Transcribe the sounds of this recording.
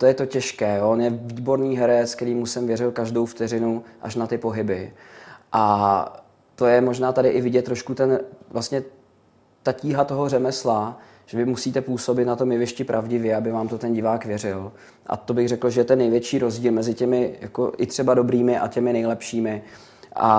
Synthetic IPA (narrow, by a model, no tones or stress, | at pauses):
t̪ojɛt̪o̞cɛʃkɛːjoonjɛviːbo̞ɾniːɦɛɾɛt͡sk̚t̪ɛɾiːmusɛmvjɛɾɪlkaʒdo̞wft̪ɛrɪnuʔa̰ʃnat̪ɪpo̞ɦɪbɪʔa | t̪o̞jɛmoʒnaːt̪adɪʔɪvɪɟɛt̪ːɾoʃkut̪ɛnvlast̪ɲɛ | t̪aciːɦat̪o̞ɦo̞rɛmɛsla | ʒ̥ɛvɪmusiːt̪ɛpuːso̞bɪt̪nat̪o̞mjɛvɪʃcɪpɾʔavɟɪvjɛabɪvaːmt̪ot̪ɛnɟɪvaːkvjɛrɪl | ʔa̰t̪o̞bɪɣrɛkl̩ʒɛjɛt̪ɛnːɛjvjɛt͡ʃiːɾo̞zɟiːlmɛzɪcɛmɪja̰ko̰ʔɪt̪r̥ɛbado̞bɾiːmɪʔa̰cɛmɪnɛjlɛpʃiːmɪ | ʔa̰